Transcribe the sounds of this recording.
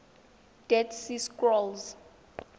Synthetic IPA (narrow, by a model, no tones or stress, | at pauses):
d̥ɛtsiskʼrɔlz